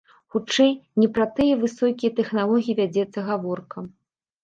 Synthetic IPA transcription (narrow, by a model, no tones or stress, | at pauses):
xut͡ʂɛjnʲɛpɾɐt̪ɨjɐvɨsɔkʲijɐt̪ɛxnalˠɔɣʲijivʲad͡zʲɛt̪sːɐɣavɔrkɐ